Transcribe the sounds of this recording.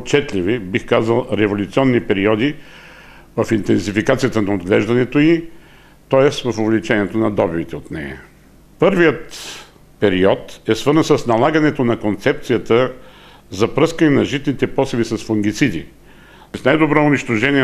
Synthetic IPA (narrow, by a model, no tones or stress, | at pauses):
ott͡ʃɛt̪lʲivibixkazəlˠɾɛvolʲut̪siɔnːipɛɾiɔd̪i | vəfint̪ɛnsifikat̪sijət̪ənɐod̪ɡlɛʒd̪ɐnɛt̪oi | t̪ɔɛsvɐfovlit͡ʃɛniɛt̪onɐd̪ɔbivit̪ɛot̪nɛ̰jɐ̰ | pɤɾvijət̪ | pɛɾiɔt̪ɛsvɤɾznsəsnɐlˠaɡənɛt̪onɐkont̪sɛp̚t̪sijət̪ə | zɐpɾɤskɐnɛnɐʒit̪nit̪ɛpɔsɛvisɐsfoŋɡ̟it̪sid̪ḭ | snajd̪obɾɔʊniʃt̪oʒɛniɛ